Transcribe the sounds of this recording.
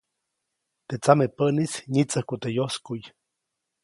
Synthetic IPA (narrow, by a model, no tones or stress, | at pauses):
t̪et͡samepəʔnisɲit͡səhkut̪ejoskuj